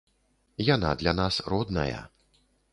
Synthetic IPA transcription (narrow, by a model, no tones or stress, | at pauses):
jana̰d̪lʲanasrɔd̪nɐ̰jɐ̰